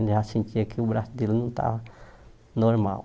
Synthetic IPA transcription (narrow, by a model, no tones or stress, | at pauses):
asĩnt͡ʃ̪iɐkʰɪubɾasʊd̪elnɐ̃w̃t̪ʰa̰v | noɾma̰w